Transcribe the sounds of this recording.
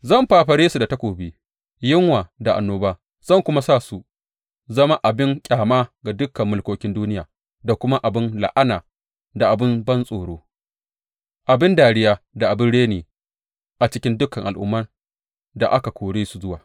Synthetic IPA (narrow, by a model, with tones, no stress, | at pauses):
zɐ˦˨mɸaː˨ɸɐ˨ɽeː˦su˨da˨tɐ˦kʷoː˨biː˦ | jɪ˦ŋwaː˨da˨ʔa̰˨nːoː˦baː˦ | z̥ɐ˦˨ŋkʷʊ˦ma˦sa˦˨su˨ | zɐ˦ma˦ʔa˨bɪ˦ŋkʲʼaː˨maː˦ɡa˨dʊ˦kːɐ˨mːʊ˨lkʷoː˦kʲɪ˦nduː˦nɪ˦jaː˨ | da˨kʷʊ˦ma˦ʔa˨bɪ˦nla̰˨ʔa˦naː˨ | da˨ʔa˨bɪ˦nbɐ˦nsʼoː˨ɽoː˦ | ʔa˨bɪ˦ndaː˨ɽɪ˦jaː˦da˨ʔa˨bɪ˦nɽeː˦neː˨ | ʔa˨t͡ʃɪ˦kʲɪ˦ndʊ˦kɐ˨ŋʔa˨lʔʊ̰˦mːɐ˦n | da˨ʔa˦ka˨kʷʰoː˨ɽeː˦su˨zʊ˦waː˨